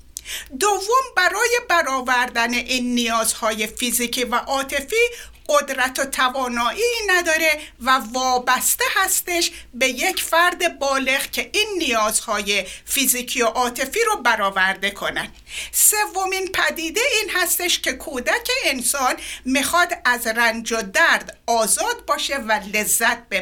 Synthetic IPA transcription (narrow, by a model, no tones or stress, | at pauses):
d̪ovːombæɾɒːjebæɾɒːvæɾd̪æne̞ʔiːnːijɒːzhɒːje̞fiziːcʰiːvæʔɒːt̪ʰe̞fiːɢod̪ɾæt̪ʰot̪ʰævɒːnɒːʔinæd̪ɒːɾe̞vævɒːbæst̪e̞hæst̪e̞ʃbe̞je̞cʰfæɾd̪e̞bɒːle̞ɣcʰe̞ʔiːnːijɒːz̥hɒːje̞fiziːkʰioʔɒːt̪ʰe̞fiːɾobæɾɒːvæɾd̪e̞kʰo̞næn | se̞vːo̞minpʰæd̪iːd̪e̞iːnhæst̪e̞ʃcʰe̞kʰoːd̪æcʰe̞ːnsɒːnmixɒːd̪æzrænd͡ʒod̪æɾd̪ɒːzɒːd̪̚bɒːʃe̞væle̞zːæt̪̚be